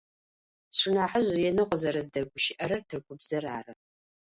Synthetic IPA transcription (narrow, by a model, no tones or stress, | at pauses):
ɕʷɪnaːħəʑʷjɛnɨqʷɔzɐɾɐzdɐɡʷʊʃɪʔɐɾɐrtʰɨrkʷʰʊbzɐraːrɐ